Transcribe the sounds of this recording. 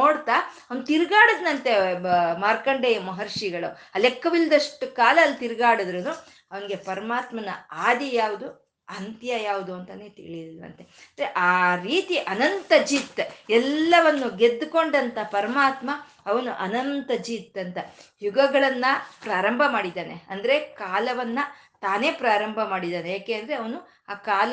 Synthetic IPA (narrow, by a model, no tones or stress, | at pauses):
noːɽt̪aːɐʋɐnt̪iɾɡaːɽɐd̪nɐnt̪emaːɾkɐɳɖeːmɐɦɐɾʂiɡɐɭuɐlekːɐʋilːɐd̪ɐʂʈukaːlɐːlːt̪iɾɡaːɽɐd̪ɾɐnu | ɐʋɐniɡe̞pɐɾɐmaːt̪mɐnɐaːd̪ɐjaːʋud̪u | ɐnt̪jɐjaːʋud̪uɐnt̪ɐneːt̪ḭɭid̪ilɐ̰nt̪eɐnd̪ɾeʔaːɾiːt̪iʔɐnɐnt̪ɐd͡ʒiːt̪ɛlːɐʋɐnːuɡe̞d̪ːuko̞ɳɖɐnt̪ɐpɐɾɐmaːt̪mɐ | ɐʋɐnuʔɐnɐnt̪ɐd͡ʒiːt̪ːɐnt̪ɐjuɡɐɡɐɭɐnːɐpɾaːɾɐmbʱɐmaːɽid̪aːne̞ɐnd̪ɐɾe̞kaːlɐʋɐnːɐ | t̪aːne̞ːpɾaːɾɐmbʱɐmaːɽid̪aːnejaːkeːnd̪ɐɾeɐʋɐnu | aːkaːlɐ